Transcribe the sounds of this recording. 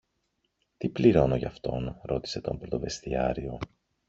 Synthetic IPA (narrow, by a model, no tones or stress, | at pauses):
t̪ipliɾo̞no̞ʝɐ̰ft̪o̞nɾo̞t̪i̥se̞t̪o̞̰mpɾo̞t̪o̞ve̞st̪iɐɾio̞